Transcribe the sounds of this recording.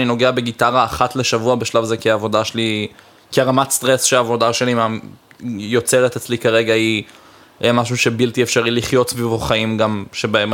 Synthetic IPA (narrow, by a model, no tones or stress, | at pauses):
nino̞ɡe̞abe̞ɡitaʁaːχatleʃavuabeʃlavazekiaːvo̞daʃeli | kiaʁamatst̪ʁesʃeaːvo̞daʃe̞lima | jo̞t͡seʁet̪et͡slikaʁe̞ɡahi | maʃ̬uʃe̞bilt̪iefʃaʁiliχjo̞tsvivoχaimɡamʃebaem